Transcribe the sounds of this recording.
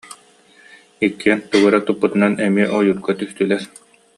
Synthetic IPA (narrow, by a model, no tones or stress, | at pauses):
ikːiɛnt̪ɯɡɯɾat̪upːut̪ɯnanɛmiɛʔɔjuɾ̚ɡat̪yst̪ylɛɾ